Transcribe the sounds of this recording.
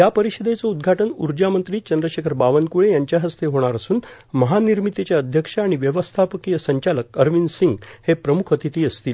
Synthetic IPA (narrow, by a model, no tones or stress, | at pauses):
japəɾiɕəd̪et͡soud̪ɡʱaʈənuɾd͡ʑamənt̪ɾiːt͡ɕənd̪ɾəɕekʰəɾbaʋənkuɽejaɲt͡ɕjaɦəst̪eɦoɽ̃aɾəsuːn | məɦaniɾmit̪et͡ɕjaəd̪ʱjəkʂaːɽ̃iʋjəʋəst̪ʰapəkijəsəɲt͡ɕaləkəɾʋinsiŋɡhepɾəmukʰət̪it̪iːəst̪iːl